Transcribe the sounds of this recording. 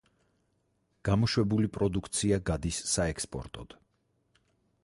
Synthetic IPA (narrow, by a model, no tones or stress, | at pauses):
ɡ̥amɔʃwɛbulipʼɾɔd̪ukʰt̪sʰiaɡad̪isːaɛkspʼɔ̰ɾt̪ʼɔd̪̥